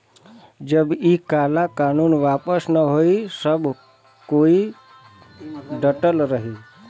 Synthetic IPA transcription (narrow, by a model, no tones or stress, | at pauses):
d͡ʒəbikalakanunʋapəsnəɦoisəbʱ | koi | ɖəʈəlɾəɦi